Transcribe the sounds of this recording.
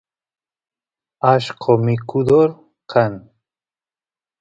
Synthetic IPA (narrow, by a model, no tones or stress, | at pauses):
aʃqʰomikud̪oɾ | qʰan